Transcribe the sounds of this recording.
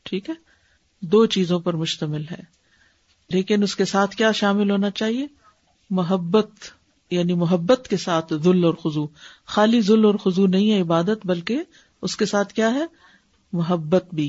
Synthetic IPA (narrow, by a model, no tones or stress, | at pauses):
ʈʰiːkɦɛː | d̪oːt͡ʃiːzõpɐɾmʊʃt̪əmɪlɦɛː | leːkɪnʊskesaːt̪ʰkjaːʃaːmɪlɦoːnat͡ʃaːɦie | mʊɦəbːət̪ | jaːnimʊɦəbːət̪kesaːt̪ʰzʊlːɔːɾxʊzuxaːlizʊlɔːɾxʊzunɐɦĩɦɛɪbaːd̪ət̪bɐlke | ʊskesaːt̪ʰkjaːɦɛː | mʊɦəbːət̪bʱiː